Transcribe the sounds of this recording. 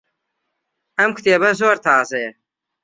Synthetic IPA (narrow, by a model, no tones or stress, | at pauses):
ɐmkʰt̪eːbɐs̬oːɾt̪ʰaːze